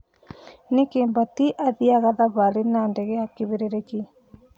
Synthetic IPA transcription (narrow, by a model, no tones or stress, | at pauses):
nekeːmbatiʔaðiaɣaðaβaɾenandɛɣɛakeβeɾeɾeki